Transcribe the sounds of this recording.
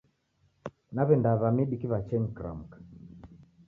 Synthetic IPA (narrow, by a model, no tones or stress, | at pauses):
naβɛndaβamiɗikiβat͡ʃɛɲkɾa̰m̩kḁ